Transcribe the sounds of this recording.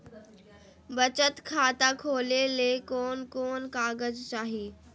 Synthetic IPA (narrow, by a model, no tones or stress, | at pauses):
bɐt͡ɕət̪kʰaːt̪akʰoːleleːkoːnkoːnkaːɡəzt͡ɕaːɦiː